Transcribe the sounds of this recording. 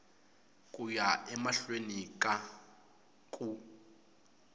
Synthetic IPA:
kʼujaʔɛmaɬwenikʼa | kʼu

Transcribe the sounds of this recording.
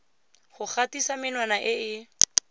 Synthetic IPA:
χʊk͡xatisamɪnwanaʔɪɪ

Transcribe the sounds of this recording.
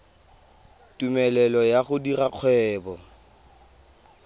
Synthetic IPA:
tʼumɛlɛlɔjaɣʊdiraq͡χʰwɛːbɔ

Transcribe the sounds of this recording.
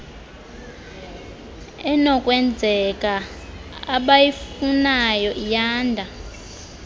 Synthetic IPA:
ɛnɔkʼwɛnd͡zʱɛkʼa | aɓajifunajɔʔijaːndʱa

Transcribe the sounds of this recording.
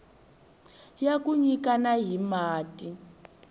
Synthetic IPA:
jakuɲikanaɦimaːtʼi

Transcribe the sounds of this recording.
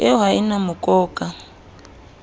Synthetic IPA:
ɛɦainamukʼɔːkʼa

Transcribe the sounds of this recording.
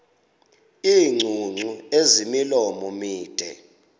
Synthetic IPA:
iːŋ͡ǀʱuŋ͡ǀʱuezimilɔmɔmiːd̥ʱɛ̰

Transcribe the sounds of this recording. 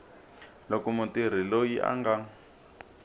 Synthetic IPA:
lokumutiɾ̤ilojiʔa̰ŋɡa

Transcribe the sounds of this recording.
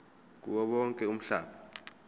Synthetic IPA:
k̬ʼṵɓɔɓɔŋkʼɛum̩ɬa̰ːɓa

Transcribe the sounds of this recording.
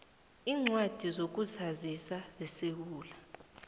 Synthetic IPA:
iːŋ͡ǀwad̥ʱizok̬ʼuzazisazisewuːla

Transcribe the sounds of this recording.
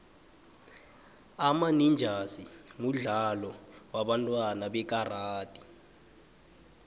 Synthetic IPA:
amanind͡ʒʱasimuɮalɔwaɓantʼwanaɓɛk̬ʼaraːd̥ʼi

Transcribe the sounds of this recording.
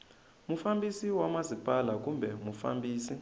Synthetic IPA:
mufambisiwamazipʼalak̬umbʱɛmufa̰mbiːsi

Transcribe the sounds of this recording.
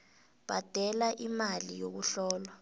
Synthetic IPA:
b̥ʱad̥ʱɛlaʔimalijok̬uɬɔːlwa

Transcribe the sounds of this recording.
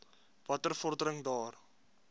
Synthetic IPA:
vɐtərfɔrdəɾəŋdɑːr

